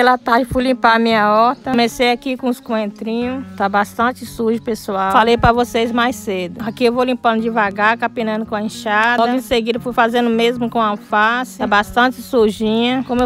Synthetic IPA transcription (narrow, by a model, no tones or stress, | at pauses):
pelɐt̪aɾd͡ʒɪfujlĩpaɾɐmĩɲɐɔɾt̪ɐmesejakikõʊskõẽnt̪ɾĩɲʊt̪abast̪ɐ̃t͡ʃɪsuɾʒʊpesuawfalejpɾɐvosejzmajsed̪ʊakiewvowlĩpɐ̃nd̪ʊd͡ʒɪvaɡakapĩnɐ̃nd̪ʊkõɐĩʃad̪lɔɡʊĩseɡid̪ɐfujfazẽnd̪ʊmezmʊkõɐfasɪt̪abast̪ɐ̃t͡ʃɪsuɾʒĩɲɐkõmʊe